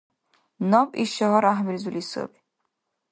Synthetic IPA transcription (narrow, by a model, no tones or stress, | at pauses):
nɔpʼiʃɔɦɔɾaɦmilzulisɔ̰bi